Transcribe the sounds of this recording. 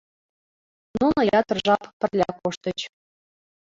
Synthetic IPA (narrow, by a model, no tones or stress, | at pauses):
nunojɑt̪ərʒɑppə̆rlʲɑ̰koʃt̪ə̆t͡ɕ